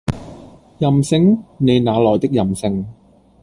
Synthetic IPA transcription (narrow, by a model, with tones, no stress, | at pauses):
jɐ˨˩msɪ˧ŋne˨˧jnaː˨˧lɔː˨˩jt̪ɪ˥k̚jɐ˨˩msɪ˧ŋ